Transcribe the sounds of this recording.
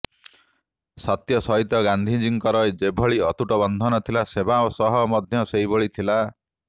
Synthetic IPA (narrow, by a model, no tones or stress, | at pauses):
sɔt̪jɔsɔɦit̪ɔɡand̪ʱid͡ʒiŋkɔɾɔjed͡ʒebʱɔɭiɔt̪uʈɔbɔnd̪ʱɔnɔt̪ʰilasebaosɔɦɔmɔd̪ʱjɔsejbɔɭit̪ʰila